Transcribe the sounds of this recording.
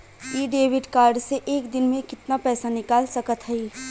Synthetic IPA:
iːɖeːʋɪɖkaːɾɖseʔeːkd̪ɪnmẽkɪt̪napɛːsanɪkaːlsɐkət̪ɦɛi

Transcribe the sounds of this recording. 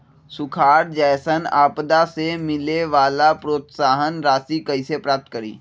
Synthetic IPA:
sʊkʰaːɾd͡ʒɛːsənaːpd̪asemɪleʋaːlapɾoːt̪saːɦənɾaːsikɐisepɾaːp̚t̪̚kəɾḭː

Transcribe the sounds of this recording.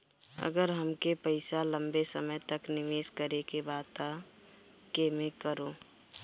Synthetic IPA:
ə̰ɡəɾɦəmkepəɪsalə̃mbesəməjt̪əknɪʋeːskəɾekebaːt̪a | kemẽkəɾoː

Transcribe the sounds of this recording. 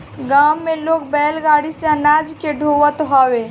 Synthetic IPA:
ɡamːeloːk̚bɛlɡaɽiseənad͡ʒkeɖʱowət̪ɦɔwe

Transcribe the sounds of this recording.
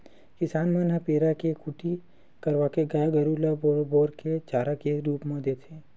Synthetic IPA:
kɪsaːnmɐ̃nɐpeːɾakekuʈʰi | kɐɾʋaːkeɡajaɡɐɾulaboːɾket͡ʃaːɾakeɾuːpmẽd̪eːt̪ʰeː

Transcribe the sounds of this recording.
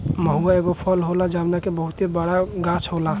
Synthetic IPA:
məɦuaeɡopʰəlɦolad͡ʒamnakebəɦut̪ebəɽaɡãt͡ʃʰɦola

